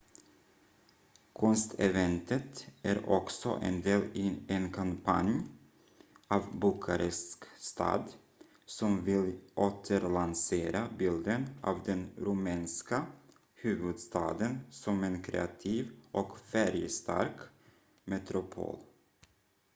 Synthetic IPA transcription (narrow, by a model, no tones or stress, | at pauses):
kʰɔnst̪ʰɛvɛnt̪ət̪ʔæɾɔksɔ̰ʔɛ̰nd̪eːlɪɛnkʰampʰa̰nj | ɑvbʊkʰaɾɛskst̪ʰɑ̰ːd̪ | sɔmvɪlʔoːt̪ʰəɾlanseːɾabɪld̪ənʔɑ̰ːvd̪ɛnɾʊmɛːnska | hʉ̟ːvɵd̪st̪ɑ̰ːd̪ənsɔmɛnkʰɾɛ̰at̪ʰiːvʔɔkfæɾjəst̪ʰa̰ɾk | mɛt̪ɾʊpʰo̰ːl